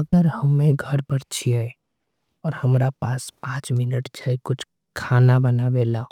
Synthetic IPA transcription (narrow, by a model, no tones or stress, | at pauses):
əɡəɾhəmːẽɡʱəɾpəɾt͡ʃʰiɛ | ɔːɾhəmɾapaːspãːt͡ʃmɪnəʈd͡ʒʰəekʊt͡ʃʰ | kʰaːnabənabelao